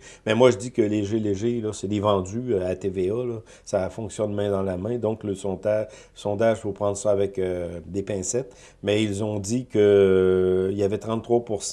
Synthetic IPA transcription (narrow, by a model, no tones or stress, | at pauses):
mɛmwaʒədd͡zikəleʒeleʒelɔsɛd̪evɑ̃dd͡z̪yat̪evealɔ | safɔ̃ksjɔnmɛ̃d̪ɑ̃lamɛ̃d̪ɔ̃kləsɔ̃ːd̪aʒ | əsɔ̃ːd̪aʒføpʁɑ̃d̪ʁsɔavɛkød̪epɛ̃ːsɛt̪ | mɛilzɔ̃d̪ikə | iljavɛt̪ʁɑ̃t̪t̪ːʁwapuʁs